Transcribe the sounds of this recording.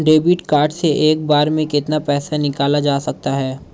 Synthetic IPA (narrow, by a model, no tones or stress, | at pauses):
ɖeːbɪʈkaːɾɖseʔeːk̚baːɾmẽkɪt̪napɛːsanɪkaːlad͡ʒaːsɐk̚t̪aɦɛː